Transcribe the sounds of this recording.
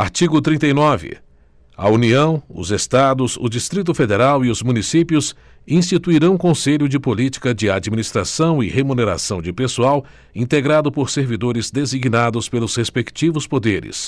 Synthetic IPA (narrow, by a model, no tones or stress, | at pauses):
aɾt͡ʃiɡʊt̪ɾĩt̪ɐjnɔvɪ̰ | ɐuniɐ̃w̃ʊ̰zest̪ad̪ʊzʊ̰d͡ʒist̪ɾit̪̬ʊfed̪eɾawiʊzmũnisipjʊs | ĩst͡ʃit̪uiɾɐ̃w̃kõseʎʊd͡ʒɪpolit͡ʃi̥kɐd͡ʒɪad͡ʒiminist̪ɾasɐ̃w̃ɪhemuneɾa̰sɐ̃w̃d͡ʒɪpesuaw | ĩnt̪eɡɾad̪ʊpoɾseɾvid̪oɾɪzd̪eziɡnad̪ʊspelʊshespekt͡ʃivʊspod̪eɾɪ̰s